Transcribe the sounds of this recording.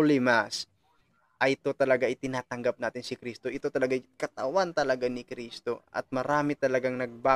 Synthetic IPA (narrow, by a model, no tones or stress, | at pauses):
lɪmas | ʔɐjʔɪt̪o̞t̪ɐlɐɡaʔɪt̪ɪnaːt̪ɐŋɡap̚naːt̪ɪnsɪkɾist̪o̞ʔɪt̪o̞t̪ɐlɐɡajkɐt̪ɐwant̪ɐlɐɡanɪkɾiːst̪o̞ʔɐ̰t̪̚mɐɾaːmɪt̪ɐlɐɡaŋnɐɡ̚ba